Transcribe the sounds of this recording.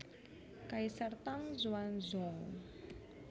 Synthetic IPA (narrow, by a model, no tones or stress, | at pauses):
kajsaɾt̪aŋzuanza